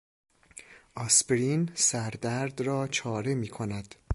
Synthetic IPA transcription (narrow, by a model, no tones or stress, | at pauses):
ʔɒsbɾinsæɾd̪æɾd̪rɒːt͡ʃʰɒːɾemiːkʰonæd̪̥